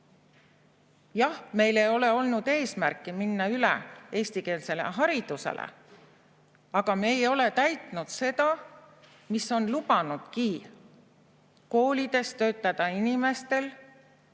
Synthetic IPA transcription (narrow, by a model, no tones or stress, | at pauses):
jɑhme̞jle̞jo̞le̞o̞lnud̪̥e̞ːsmærkːˑiminːɑylḛʔe̞ːst̪ike̞ːlse̞lḛɦɑɾid̪̥use̞̰lʔḛ | ɑɡ̥ɑme̞ːjo̞le̞t̪æjt̪ˑnud̪̥se̞d̪̥ɑ | miso̞nlub̥ɑnud̪̥kiː | ko̞ːlʲid̪̥e̞st̪ø̞ːt̪ːˑɑd̪̥ɑinime̞st̪e̞l